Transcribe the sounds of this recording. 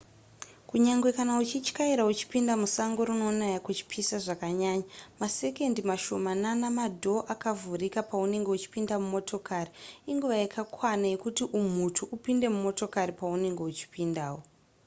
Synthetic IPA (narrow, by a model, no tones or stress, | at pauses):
kuɲaŋɡwe̞kanaut͡ʃit͡ʃkaiɾaut͡ʃi̥pindamusaŋɡo̞ɾuno̞najaket͡ʃi̥pʰisaʐakaɲaːɲamase̞ke̞ndimaʃo̞mananamadʱo̞ʔakavurikapaune̞ŋɡe̞ut͡ʃi̥pindamumo̞tʰo̞kariiŋɡuʋajakʰakʰwanajekutiʔum̤utʰuʔupinde̞mumo̞to̞kaɾipaune̞ŋɡe̞ut͡ʃi̥pindaːwo̞